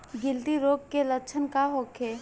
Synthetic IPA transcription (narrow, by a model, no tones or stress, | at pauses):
ɡɪlt̪iɾoːɡkeləkt͡ʃʰənkaɦoːkʰeː